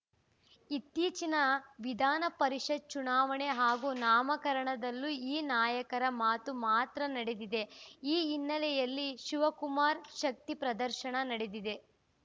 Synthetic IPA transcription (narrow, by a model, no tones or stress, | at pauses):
it̪ːiːt͡ʃinɐʋid̪ʱaːnɐpɐɾiʂɐd̪̚t͡ʃunaːʋɐɳe̞ɦaːɡuːnaːmɐkɐɾɐɳɐd̪ɐlːuiːnaːjɐkɐɾɐmaːt̪umaːt̪ɾɐnɐɽed̪id̪e̞iːnːɐlɛjɐlːiʃiʋɐkumaːɾʃɐk̚t̪ipɾɐd̪ɐɾʃɐɳɐnɐɽed̪id̪e̞